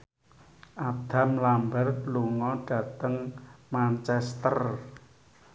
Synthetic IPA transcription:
ʔad̪̥a̤mlambarluŋɔɖ̥ä̤t̪əŋmant͡ʃɛst̪ər

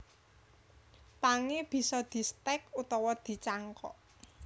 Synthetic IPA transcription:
paŋeb̥i̤sɔd̪̥i̤st̪ɛkut̪ɔwɔd̪̥i̤t͡ʃaŋkɔ̰ʔ

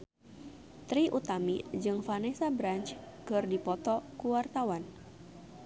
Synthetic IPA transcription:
t̪ɾiʔut̪amid͡ʒɨŋfanesabɾant͡ʃ | kɨrdipɔt̪ɔkuwart̪awan

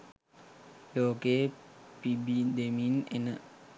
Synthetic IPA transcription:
loːkepibid̪eminḛnə

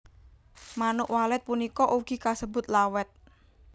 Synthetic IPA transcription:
manʊʔwalɛt̪̚punikɔʔuɡ̥i̤kasəbʊ̤t̪lawɛt̪̚

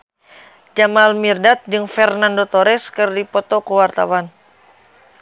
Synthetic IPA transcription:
d͡ʒamalmirdat̪̚d͡ʒɨŋfɛrnandot̪oɾɛskɨrdipɔt̪okuwart̪a̰wan

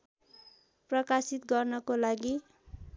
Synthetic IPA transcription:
prʌkasit̪ɡʌrnʌkolaɡi

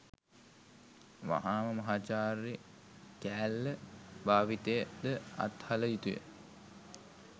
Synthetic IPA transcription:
ʋa̰ɦaːməmɐɦaːt͡ʃaːri | kæːlːəbaːʋit̪ejəd̪əa̰t̪haləjit̪ujḛ

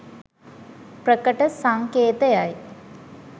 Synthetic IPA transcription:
prəkəʈəsaŋkeːt̪əjaj

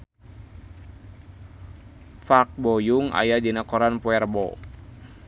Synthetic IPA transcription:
fak̚bɔjuŋa̰jad͡ʒənakɔɾanpɔɛrbɔ

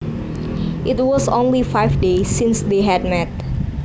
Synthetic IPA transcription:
ʔɪt̚wɔsõ̰nlifaɪvdesĩnsd̪eɦɛd̚mɛt̚

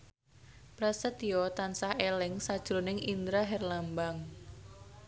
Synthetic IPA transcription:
pɾasət̪iɔt̪ansahelɪŋsad̥ʒ̥ɾonɪŋind̪ɾaɦɛrlambaŋ

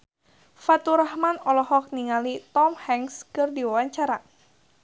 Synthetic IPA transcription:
fat̪uɾahmanɔlɔhɔk̚niŋalit̪ɔmhɛŋskɨrdiwawaɲt͡ʃaɾa

